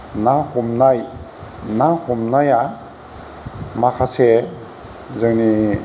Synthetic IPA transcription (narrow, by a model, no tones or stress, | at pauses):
nahumnaj | nahumnaja | makʰase | zɯŋni